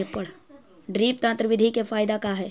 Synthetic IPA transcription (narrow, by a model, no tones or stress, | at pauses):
epɐɽ | ɖɾiːp̚t̪ãnt̪ɾəʋɪd̪ʱikefaːjd̪akaɦɛː